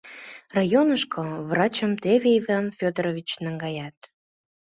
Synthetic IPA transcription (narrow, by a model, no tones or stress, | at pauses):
rɑjonəʃkʰoβrɑt͡ɕəmt̪evʲeivɑnfʲod̪ɾovʲit͡ɕnəŋɡɑjɑt̪